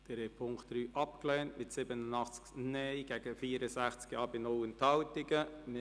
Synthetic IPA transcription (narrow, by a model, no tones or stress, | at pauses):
d̥ɛɾɛpʰʊŋktd̥ɾyːʔɑpklɛːntmɪtsɪbənənɑχt͡sknɛjɡ̥ɛɡ̥əfiːəɾəsæχt͡skiɑːbɪnʊlənthɑwtɪɡəmɪ